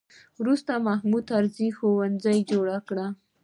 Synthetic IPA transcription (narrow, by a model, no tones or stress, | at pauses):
wɾust̪amahmud̪̚aɾzixowand͡zajd͡ʒoɽakɽa